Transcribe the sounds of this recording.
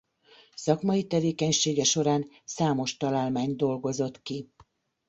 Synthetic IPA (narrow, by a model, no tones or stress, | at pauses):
sɒkmɒjit̪ɛveːkɛɲʃeːɡɛʃo̞ɾaːn | saːmo̞ʃt̪ɒlaːlmaːɲd̪o̞lɡo̞zo̞t̪ki